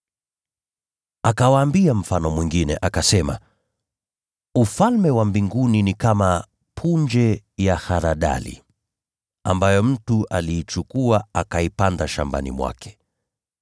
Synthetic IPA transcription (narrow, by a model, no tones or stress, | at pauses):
akawaːmbiam̩fanɔmwiŋɡinɛ̰ʔakasɛma̰ | ufalmɛwambiŋɡuninikama | pʰund͡ʒɛjahaɾaɗa̰lḭ | ambajɔm̩tuʔaliːt͡ʃukuaakaipandaʃa̰mba̰nḭmwa̰kʰɛ̥